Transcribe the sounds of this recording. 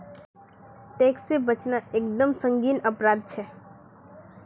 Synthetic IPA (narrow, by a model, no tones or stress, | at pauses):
ʈeksebət͡ʃnaekd̪əmsə̃ŋɡiːnəpɾad̪̚t͡ʃʰɛ